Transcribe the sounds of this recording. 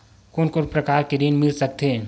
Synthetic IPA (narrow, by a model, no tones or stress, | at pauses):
koːnkoɾpɾɐkaːɾkeɾiːnmɪlsɐk̚t̪ẽː